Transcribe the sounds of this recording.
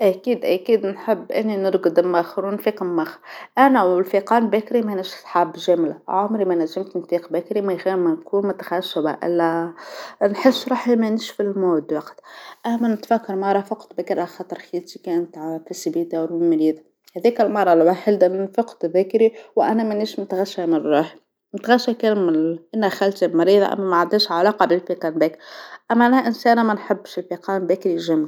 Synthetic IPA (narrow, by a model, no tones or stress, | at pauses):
ʔækiːd̪ʔækiːd̪nħəbːʔɪnːinəɾɡd̪mːæxɾunfiːqmːɑxʔænæwɪlfiqɑːnbæːkɾimænæʒɪsˤħabʒæːmlaʕʊmɾimænæʒːɪmt̪nfiːqbækɾimæxmænkuːnmʊt̪ḁxaʃɪba̰ʔɪ̰lːæ | nħɪsːɾˤɑːħimænɪʃfəlɪlmoːd̪wɑqt̪ʔæmːænt̪fækːɑɾˤmɑrˤɑfɑqt̪bæːkɪɾʔaxɑt̪ˤːɑɾˤxit̪ikæːnt̪ʕfisibiːd̪awɪmɑɾiːðˤ | hæðiːkælmɑrˤːɑlwaħɪld̪amɪnfɑqt̪bæːkɾiwʔænæmɪniːʃmʊt̪ɣaʃːæmɪnrˤːɑːħi | mʊt̪ɣæʃːækæːnmɪʔɪnːæxælt̪ibmɑɾiːðˤa̰ʔæ̰mːæmæʕad̪ːiːʃʕalɑːqɑbɪlfiːqɑnbɛːkɾʔæmːæʔænæʔɪnsæːnmænħabːʃɪlfiqɑːnbæːkɾiʒæmːli